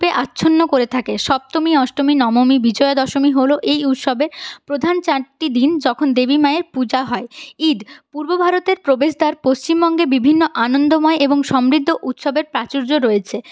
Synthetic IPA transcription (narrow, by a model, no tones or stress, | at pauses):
peʔatːɕʰonːokoɾet̪ʰakeʃɔb̚t̪omiɔʃʈominɔmomibid͡ʑɔeod̪ɔʃomiɦoloʔejut̪ʃɔbeɾpɾod̪ʱant͡ɕaɾʈid̪ind͡ʑɔkʰond̪ebimaeɾpud͡ʑaɦɔeid̪puɾbobʱaɾot̪eɾpɾobeʃd̪aɾpost͡ɕimbɔŋɡebibʱinːoʔanond̪omɔeʔeboŋʃɔmɾid̪ʱːoʔut̪ʃɔbeɾpɾat͡ɕuɾd͡ʑoɾoet͡ɕʰe